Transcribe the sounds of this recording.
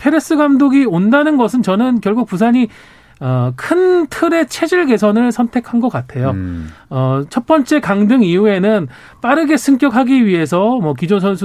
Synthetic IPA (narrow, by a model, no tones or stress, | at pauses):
pʰe̞ɾes͈ɯɡamdoɡiondanɯnɡʌs̬ʰɯnt͡ɕʌnɯnkjʌɭɡuk̚pusʰaɲi | ʌkʰɯntʰɯɾe̞t͡ɕʰe̞d͡ʑɯɭɡe̞s̬ʰʌnɯɭsʰʌntʰe̞kʰanɡʌk͈atʰe̞joʌt͡ɕʰʌt̚p͈ʌnt͡ɕ͈e̞kaŋdɯŋiue̞nɯn | p͈aɾɯɡe̞sʰɯŋk͈jʌkʰaɡiɥiɦe̞s̬ʰʌmʌk̬id͡ʑons̬ʰʌns̬ʰu